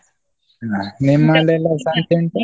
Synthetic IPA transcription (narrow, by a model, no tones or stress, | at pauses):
animalɛlasantɛnt